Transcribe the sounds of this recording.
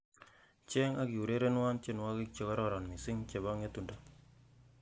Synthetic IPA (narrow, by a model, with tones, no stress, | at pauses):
t͡ʃe˦ŋa˦ki˨u˨ɾe˦ɾe˦nwa˦nt͡ʃe˦nwa˦ki˦k̚t͡ʃe˨kɔ˦ɾɔ˦˨ɾɔ˨nmi˨sɪ˦ŋt͡ʃe˨βa˦ŋe˦tu˨nda˦